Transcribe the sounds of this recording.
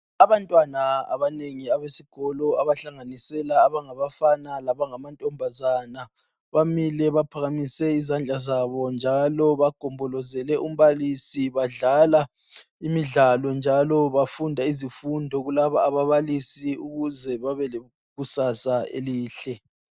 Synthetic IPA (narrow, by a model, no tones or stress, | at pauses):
aβantʼwanaa̰βaneŋiaβesiɡ̥ʱɔlɔaβaɬaŋanisɛlaːβaŋaβafanalaβaŋamantʼɔmbʱazana | βamilɛβapʰaɣamisɛizand͡ɮʱazaβɔnd͡ʒʱalɔβaɡ̥ʱɔmbʱɔlɔzɛlɛʔum̩βalisiβaɮala | imiɮalɔnd͡ʒʱalɔβafundʱaizifundʱɔɣulaβaːβaβalisiuɣuzɛβaβɛle | ɣusasaḛliːɬɛ